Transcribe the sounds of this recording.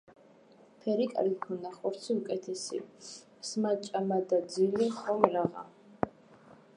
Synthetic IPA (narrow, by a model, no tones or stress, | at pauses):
pʰɛɾikʼa̰lɡikʰɔnaχɔɾt̪sʰiukʼɛt̪ʰɛsḭ | smat͡ʃʼamad̪ad̪zilɛχɔmɾaʁa̰